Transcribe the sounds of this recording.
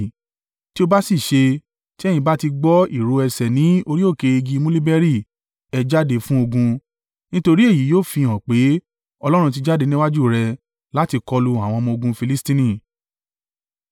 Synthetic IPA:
ti˦o˧ba˦si˦˨ʃe˧ | ti˦ɛ˦j̃ĩ˧ba˦ti˧ɡ͡bɔ˦i˦˨ɾo˧ɛ˧sɛ˨nĩ˨˦o˧ɾi˦o˦˨ke˧i˧ɡi˧mũ˦li˦bɛ˦ɾi˦˨ | ɛ˧d͡ʒa˦de˧fũ˦o˧ɡũ˧ | nĩ˦to˧ɾi˦e˦˨ji˨˦joː˦˨fĩ˧˨ɔ̃˨k͡pe˨˦ | ɔ˧lɔ˦ɾ̃ũ˧t̬i˧d͡ʒa˦˨de˧nĩ˦wa˦d͡ʒu˦˨ɾɛ˧ | la˨˦ti˧kɔ˧lu˧a˨w̃ɔ̃˧mɔ̃˧o˧ɡũ˧fi˧li˦stĩ˦nĩ˦˨

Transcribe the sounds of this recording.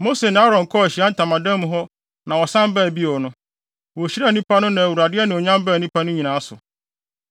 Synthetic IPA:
mo˦se˨nɪ̃˨˦a˦ɾɔ̃˨ŋ˨kʰɔ˦æ˨ɕi˨a˦n̩˦tʰã˨mã˨dɛ̃˦m̃˦ɦɔ˦ | nã˨wɔ˨sã˦m˦bɛ˦˨bi˦ɔ˨nʊ̃˦ | wɔ˨ɕi˦æ˦˨nĩ˦pʰa˦nʊ̃˦nã˨wu˨ɾa˨dɪ˦ɛ˦nɪ̃˨ɔ˨ɲã˦mbæ˦˨nĩ˦pʰa˦nʊ̃˦ɲĩ˨nãː˨a˦sʊ˨

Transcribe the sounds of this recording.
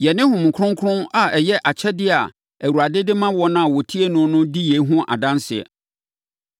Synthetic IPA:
jɛ˨nɪ̃˦ɦʊ̃˨m̃˨kʰɾʊ̃˦ŋ˦kʰɾʊ̃˦a˨ɛ˨jɛ˦ʔa˨t͡ɕʰɛ˦dɪ˦a̰˨ | æ˨wu˨ɾa˨dɪ˦dɪ˦mã˦wɔ˦nã˦˨wɔ˨tʰi˦e˦nʊ̃˨˦nʊ̃˦di˦je˨˦ɦʊ̃˦ʔa̰˨dã˦nsɪ˨ɛ̰˨

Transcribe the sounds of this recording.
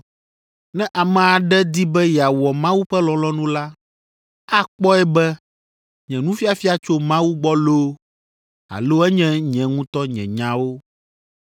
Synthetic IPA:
nɛ̃˦ʔa˨mɛ̃˨a˨ɖɛ˦d̪i˦bɛ˦jɛ˨a˨wɔ˨mã˦wu˦ɸɛ˦lɔ̃˨lɔ˦nũ˦la˦ | a˦k͡pɔ˦ɛ˦bɛ˦ | ɲɛ̃˨nũ˦fi˦a˨fi˦a˨t͡ʃo˦mã˦wu˦ɡ͡bɔ˦lo˦ | a̰˨lo˦ɛ˦ɲɛ̃˦ɲɛ̃˨ŋũ˦t̪ɔ˦ɲɛ̰̃˨ɲã˦wo˦

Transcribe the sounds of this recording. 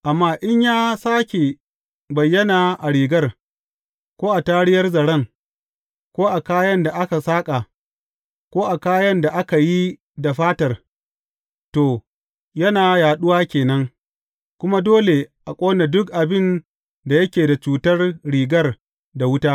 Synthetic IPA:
ʔa˨mːaː˦ʔɪ˦ɲjaː˦saː˦kʲe˨ | bɐ˨jːɐ˦naː˨ʔa˨ɽiː˨ɡɐ˦r | kʷoː˦ʔa˨taː˦ɽɪ˦jɐ˦rzɐ˨ɽɐ˦ŋ | kʷoː˦ʔa˨kaː˦jɐ˦nda˨ʔa˦ka˨saː˦kʼa˨ | kʷoː˦ʔa˨kaː˦jɐ˦nda˨ʔa˦ka˨ji˦ | da˨ɸaː˦tɐ˨r | toː˨ | jɐ˦naː˨jaː˨ɗʊ˦waː˦kʲeː˨nɐ˦ŋ | kʷʊ˦ma˦doː˦le˨ʔa˨kʷʼoː˦ne˨dʊ˦k̚ʔa˨bɪ˦˨n | da˨jɐ˦kʲeː˨da˨t͡ʃuː˨tɐ˦rɽiː˨ɡɐ˦r | da˨wʊ˦taː˦

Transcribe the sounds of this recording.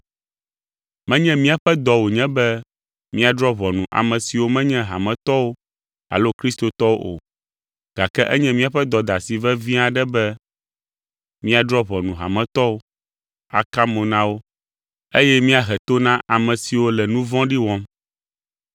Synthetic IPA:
mɛ̃˦ɲɛ̃˦mĩ˦a˨ɸɛ˦d̪ɔ˨wo˨ɲɛ̃˦bɛ˦ | mĩ˦a˨dɾɔ˦βɔ˨nũ˨ʔa̰˨mɛ̃˨si˨wo˦mɛ̃˦ɲɛ̃˦ɦa̰˨mɛ̃˦t̪ɔ˦wo˦ | a̰˨lo˦kɾi˦st̪o˨t̪ɔ˦wo˦ʔo̰˨ | ɡ̥a˨kɛ˦ʔɛ˦ɲɛ̃˦mĩ˦a˨ɸɛ˦d̪ɔ˨d̪a˨si˨vɛ˦vĩ˦a˨ɖɛ˦bɛ˦ | mĩ˦a˨d̪ɾɔ˦βɔ˨nũ˨ɦa̰˨mɛ̃˦t̪ɔ˦wo˦ | a̰˨ka˦mõ˨nã˦wo˦ | e˦jɛ˦mĩ˦a˨ɦɛ˨t̪o˦nã˦ʔa˨mɛ̃˨si˨wo˦lɛ˨nũ˦vɔ̃˦ɖi˦wɔ̃˦m

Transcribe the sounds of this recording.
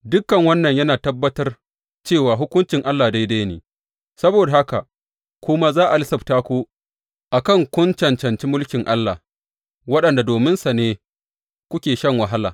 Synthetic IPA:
dʊ˦kːɐ˨ŋwɐ˦nːɐ˨ɲjɐ˦naː˨tɐ˦bːɐ˦tɐ˦r | t͡ʃeː˦˨waː˨ɦʊ˦kʷʊ˦nt͡ʃɪ˨ŋʔa˦lːaː˨da˦jda˦jnḛː˨ | sɐ˦boː˨da˨ha˦ka̰˨ | kʷʊ˦ma˦zaː˦ʔa˨lɪ˦sɐ˨btaː˦kʷoː˦ | ʔa˨kɐ˦˨ŋkʷʊ˦nt͡ʃɐ˨nt͡ʃɐ˨nt͡ʃi˦mʊ˦lkʲɪ˨ŋʔa˦lːaː˨ | wɐ˦ɗɐ˨nda˨doː˨mɪ˦nsa˨neː˦ | kʷʊ˦kʲeː˨ʃɐ˦ŋwɐ˨ɦa˦laː˨

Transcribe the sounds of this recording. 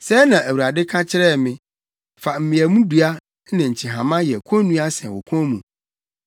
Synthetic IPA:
sɛ˦nã˨æ˨wu˨ɾa˨dɪ˦kʰã˦t͡ɕʰɪ˦ɾɛ˦˨mɪ̃˦ | fa˨m̩˨mĩ˨æ˨mũ˦du˨a˦ | nɪ̃˨ɲ̩˨t͡ɕʰi˨ɦã˨mã˦jɛ˨kʷʰɔ̃˦nũ˦a˦sɛ̃˨wɔ̰˨kʷʰɔ̃˦mũ˨

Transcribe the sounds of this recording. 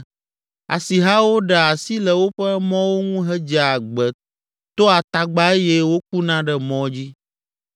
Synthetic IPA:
a̰˨si˨ɦa˦wo˦ɖɛ˨a˨si˦lɛ˨wo˦ɸɛ˦mɔ̃˦wo˦ŋũ˦ɦɛ˦d͡ʒɛ˨a˨ɡ͡bɛ˨ | t̪o˦a˨t̪a˨ɡ͡ba˦e˦jɛ˦wo˦k̚u˦nã˦ɖɛ˦mɔ̃˦d͡ʑi˦

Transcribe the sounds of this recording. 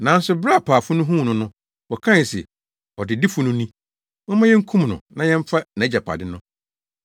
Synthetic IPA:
nã˨˦n̩˦sʊ˨˦bɾa˦˨pʰaː˨fʊ˦nʊ̃˦ɦũ˦˨nʊ̃˦nʊ̃˦ | wɔ˨kʰã˦˨sɛ̰˨ | ɔ˨dɪ˨dɪ˦fʊ˦nʊ̃˦nĩ˦ | mɔ̃˦mã˦jɛ˦ŋ̩˦kʰũ˦m˨nʊ̃˨nã˦jɛ̃˦m˦fa˦nã˨˦d͡ʑa˨pʰa̰˨dɪ˦nʊ̃˦

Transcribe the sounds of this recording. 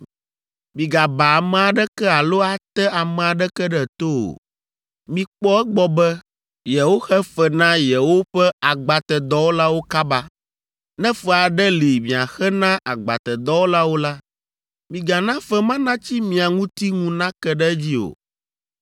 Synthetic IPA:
mĩ˨ɡa˨ba˨a˨mɛ̃˨a˨ɖɛ˦kɛ˦a˨lo˦a˨t̪ɛ˦a˨mɛ̃˨a˨ɖɛ˦kɛ˦ɖɛ˨t̪o˦o̰˨ | mĩ˨k͡pɔ˦ɛ˦ɡ͡bɔ˨bɛ˦ | jɛ˨wo˦xɛ˦fɛ˨nã˦jɛ˨wo˦ɸɛ˦a˨ɡ͡ba˨t̪ɛ˨d̪ɔ˦wo˦la˦wo˦ka˦ba˦ | nɛ̃˦fɛ˨a˨ɖɛ˦li˨mĩ˨a˨xɛ˦nã˦ʔa˨ɡ͡ba̰˨t̪ɛ˨d̪ɔ˦wo˦la˦wo˦la˦ | mĩ˨ɡa˨nã˦fɛ˦mã˦nã˦t͡ɕi˦mĩ˨a˨ŋũ˦t̪i˦ŋũ˦nã˦kɛ˦ɖɛ˦d͡ʑi˦o̰˨

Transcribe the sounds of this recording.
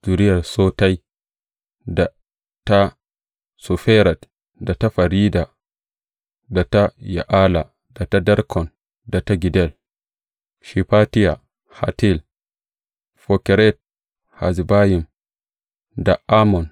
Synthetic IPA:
z̥u˨ɾi˦a˨ɾso˦ta˦j | da˨ | ta˦ | su˨fɛ˦ɾa˨t | da˨ta˦fa˨ɾi˦da˨ | da˨ta˦ja̰˨ʔa˦la˨ | da˨ta˦da˦ɾkʰɔ˨n | da˨ta˦ɡi˨dɛ˦l | ʃi˨pa˦ti˦ja˨ | ha̰˨ti˦l | fo˨kɛ˨ɾɛ˦t̚ | ha˨zi˨ba˦ji˨m | da˨ʔa˦mɔ˨n

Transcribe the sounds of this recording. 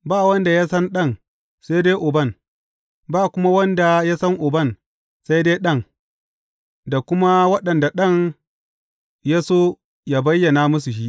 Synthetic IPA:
baː˦˨wɐ˦nda˨ja˦sɐ˦nɗɐ˦ŋ | sa˦jdeː˦jʔʊ˨bɐ˦˨n | baː˦˨kʷʊ˦ma˦wɐ˦nda˨ja˦sɐ˦ŋʔʊ˨bɐ˦˨n | sa˦jdeː˦ɗɐ˦˨ŋ | da˨kʷʊ˦ma˦wɐ˦ɗɐ˨nda˨ɗɐ˦ŋ | ja˦soː˦ | ja˦bɐ˦jːɐ˨na˦mʊ˦s̬u˨ʃi˦ʔ

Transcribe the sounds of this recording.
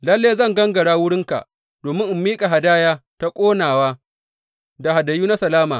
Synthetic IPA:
lɐ˦lːeː˦zɐ˦ŋɡɐ˦ŋɡɐ˨ɽaː˦wʊ˦ɽɪ˦ŋka̰˨ʔ | d̥oː˨mɪ˦ŋʔɪ˨mːiː˦kʼa˨ɦa˨daː˦jaː˦ta˦kʷʼoː˦naː˨waː˦ | da˨ha˨dɐ˨juː˦na˦sɐ˨laː˦maː˨

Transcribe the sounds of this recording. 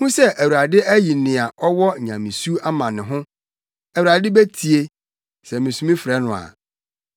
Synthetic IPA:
nũ˦sɛ˦ʔæ˨wu˨ɾa˨dɪ˦ʔæ˦ji˨nɪ̃˨a˨ʔɔ˦wɔ˦˨ɲã̰˨mĩ˨su˦a˦mã˨nɪ̃˨ɦʊ̃˦ | æ˨wu˨ɾa˨dɪ˦bɛ˦tʰi˨e˦ | sɛ˨mɪ̃˨sũ˦mĩ˦fɾɛ˦nʊ̃˨a̰˨

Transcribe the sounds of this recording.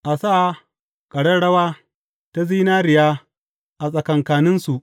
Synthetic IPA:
ʔa˨saː˦˨ | kʼɐ˨ɽɐ˦ɽɐ˦waː˦ | ta˦ziː˦naː˦ɾɪ˨jaː˦ | ʔa˨sʼɐ˨kɐ˨ŋkaː˨nɪ˦nsu˨ʔ

